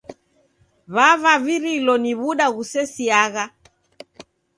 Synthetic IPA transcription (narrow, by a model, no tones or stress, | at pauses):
βaβaβiɾilɔniβuɗaɣusɛsiaɣa